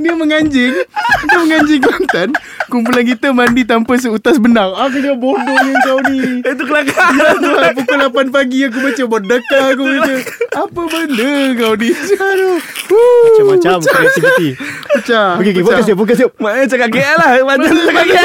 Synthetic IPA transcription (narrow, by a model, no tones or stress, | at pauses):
diəməŋaɲd͡ʒɪŋdiəməŋãɲd͡ʒɪŋkmant̪an | kumpulankit̪əmandit̪̬ampəs̬əut̪asbənaŋak̬udiabodɔŋaŋkawniət̪ukəlakalat̪uap̬ukulapanpaɡiak̬ubat͡ʃəbərdəkaak̬ubat͡ʃəapəbəndəkawnit͡ʃadaumat͡ʃamaɛk̚t̪ikit̪iput͡ʃakekoakes̬iopok̬əs̬iomat͡ʃakakeʔlahmaaakak